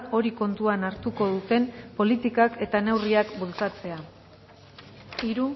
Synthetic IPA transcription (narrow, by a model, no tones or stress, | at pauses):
o̞ɾiko̞nt̪uanaɾt̪uko̞ðut̪e̞mpo̞lit̪ikake̞t̪ane̞wriakbult͡sat͡se̞a | iɾu